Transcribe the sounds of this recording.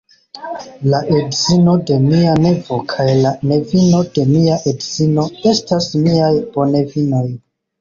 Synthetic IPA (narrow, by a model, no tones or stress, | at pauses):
laʔedzino̞de̞miane̞vo̞kʰajlane̞vino̞d̥e̞miaʔedz̥ino̞e̞stasmiajb̥o̞ne̞vinoj